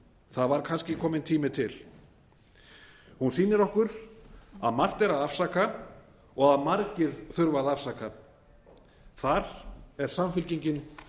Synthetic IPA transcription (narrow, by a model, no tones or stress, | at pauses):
θaðvaɾkʰanscɪkʰɔːmɪnt̪ʰiːmɪt̪ʰɪl | hunsiːnɪɾɔhkʏɾ̥ | a̰ðmar̥t̪ɛɾaðafsaːka | ɔɣaðmaɾcɪɾ̥θʏɾvaðafsaːka | θaɾɛɾ̥samfɪlciɲcɪn